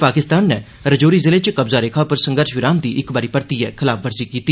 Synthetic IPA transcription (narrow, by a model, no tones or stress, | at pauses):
paːkɪst̪aːnːɛː | ɾəd͡ʒoːɾiːzɪleːt͡ʃkəbzaːɾeːkʰaːpəɾsəŋɡəɾʃʋɪɾaːmd̪iːʔɪkbaːɾiːpəɾt̪iːɛ̰ːkʰɪlaːpʰʋəɾziːkiːt̪iː